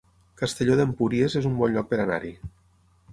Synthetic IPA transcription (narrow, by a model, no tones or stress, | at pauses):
kast̪eʎoðempuɾiezezumbɔnʎɔk̚peɾana̰ɾi